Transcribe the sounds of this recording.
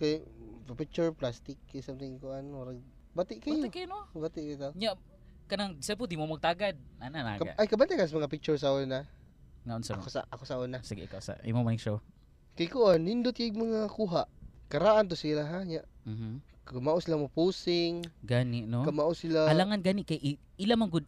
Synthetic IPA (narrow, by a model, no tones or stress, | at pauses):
kajpɪk̚t͡ʃʊɹplast̪ɪkːajsamt̪ɪŋkʊʔanwaɾa | bat̪ɪʔkajokajnobat̪ɪʔkajt̪oɲaʔ | kɐnaŋsɛp̬od̪imomɐɡ̚t̪aɡad̪̚anana̰kaa̰ʔajkabant̪aʔkas̬amɐŋapɪk̚t͡ʃʊɹs̬aona | ŋaʔʊnsakosa̰akosaʔonasɪɡḭʔkawsa̰ʔḭmomanɪkʃow | kajkʊʔanːɪnd̪ʊt̪̚kamɐŋakuɦaʔkɐɾaʔant̪ʊsilaɦaɲaʔm̩h̩ | kamaʔʊsilamapusɪŋɡanɪʔnokamaʔʊsilaalaŋanɡanɪʔkajʔ | ilamaŋɡʊd̪̚